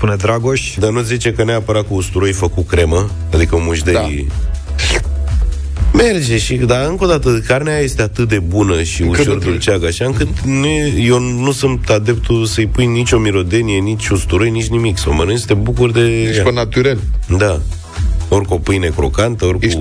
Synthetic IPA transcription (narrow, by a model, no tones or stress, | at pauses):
spuned̪ɾaɡoʃd̪anut̪sʲzit͡ʃe̞kəneapəɾat̪̚kuːst̪uɾojfəkukɾe̞mə | ad̪ikəomuʒd̪ej | me̞rd͡ʒeʃid̪aɨŋko̞d̪at̪əkarneajje̞st̪e̞at̪ɨt̪̚d̪e̞bunəʃiuord̪ult͡ʃaɡaʃaɨŋkɨt̪neje̞w | nusunt̪ad̪e̞p̚t̪usəjpujnit͡ʃʲo̞miɾo̞d̪e̞nije̞nit͡ʃʲust̪uɾo̞jnit͡ʃʲnimiksamənujest̪e̞bukurd̪e̞aunat̪uɾeld̪a | o̞rʲko̞pɨjne̞kɾo̞̰kant̪əo̞rʲku